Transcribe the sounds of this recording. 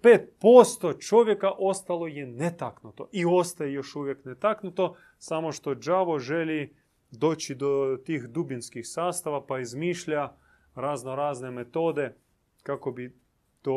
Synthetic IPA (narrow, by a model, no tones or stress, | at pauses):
peːt̪̚post̪ot͡ʃo̞ʋjekaʔo̞st̪alˠo̞jenet̪aknut̪o̞ʔio̞st̪ajejoʃuʋjeknet̪aknut̪o̞ | samo̞ʃt̪o̞d͡ʒaʋo̞ʒeli | d̪o̞ːt͡ɕid̪ot̪iːxd̪ubinskixsaːst̪aʋapaizmiːʃʎa | ɾaznoɾaːznemet̪o̞ːd̪e | kakobi | t̪o